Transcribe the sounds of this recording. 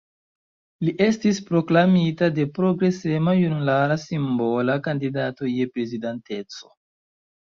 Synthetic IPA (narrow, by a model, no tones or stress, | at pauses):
liʔe̞stispɾo̞klamitade̞pɾo̞ɡɾe̞se̞majunulaɾasimbo̞lakandidato̞je̞pɾe̞zidante̞t͡so̞̥